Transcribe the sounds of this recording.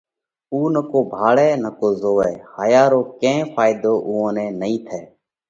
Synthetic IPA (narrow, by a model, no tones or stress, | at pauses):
uːnəkoːbʱaːɭɛːnəkoːzoːɛːhaːjaːɾoːkẽːpʰaːɪd̪oːʔuːõːnɛ̃ːnəĩːt̪ʰɛː